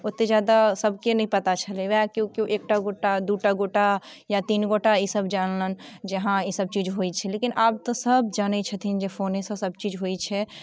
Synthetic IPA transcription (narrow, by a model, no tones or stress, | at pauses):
ot̪ːed͡ʒad̪asəbʱkenəɦĩpət̪at͡ʃʰəleʋakõkiuʔek̚ʈaɡoʈad̪uʈaɡoʈajat̪inɡoʈaisəbd͡ʒanlənd͡ʒeɦãisəb̚t͡ʃid͡ʒɦojt͡ʃʰɛlekinʔaːp̚t̪ɔsəbd͡ʒanɛt͡ʃʰət̪ʰind͡ʒefʰonẽsə̃səb̚t͡ʃid͡ʒɦoit͡ʃʰɛ